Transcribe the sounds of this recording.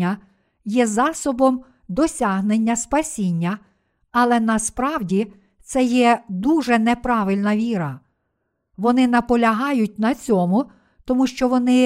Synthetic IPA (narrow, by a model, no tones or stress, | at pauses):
ɐ | jɛzɑsɔbɔm | d̪ɔsʲɑɦnenʲːɐspɐsʲinʲːɐ | ɐlˠɛnɐspɾɑwdʲi | t̪sɛjɛd̪uʒɛnɛpɾɑʋɪlʲnɐʋʲiɾɐ | ʋɔnɪnɐpɔlʲɐɦɑjʊtʲnɐt͡sʲɔmʊ | t̪ɔmuʃt͡ʃɔʋɔnɪ